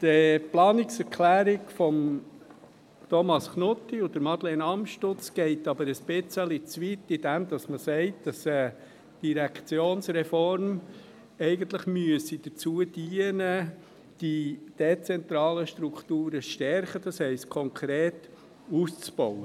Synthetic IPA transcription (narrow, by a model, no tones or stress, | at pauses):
d̥əplɑːnɪksɛɾkʰlæːɾɪɡfɔm | t̪ʰɔmɑskʰnʊtːiʊd̥əɾmɑd̪lenɑmʃtʊt͡sɡ̥ɛɪtɑbəɾəsb̥ɪt͡səlit͡sʋitːid̥ɛmd̪ɑsməsɛɪt̚d̥ɑsɛ | d̥iɾɛkʰt͡sjoːnsɾɛfɔɾm | ɛɪɡənt̪lɪχmyəsid̥ət͡suəd̥iənə | d̥id̥et͡sɛnt̪ɾɑːləʃtɾukt̪uːɾəʃtɛɾχəd̥ɑshɛɪstkʰɔŋkʰɾeːt | ust͡sb̥ɔwə